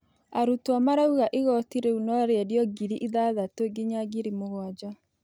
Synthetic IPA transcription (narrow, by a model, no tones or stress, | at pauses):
aɾutwamaɾauɣaʔeɣɔtiɾeunɔɾeɛdjɔɡiɾiʔiðaðatoeɡeɲaɡiɾimoɣwad͡ʒa